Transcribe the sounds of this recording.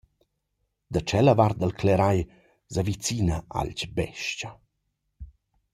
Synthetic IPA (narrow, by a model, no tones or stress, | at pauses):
d̪at͡ʃɛləvard̪alklɛɾaj | zavit͡sinaa̰lt͡ʃbɛ̰ʃca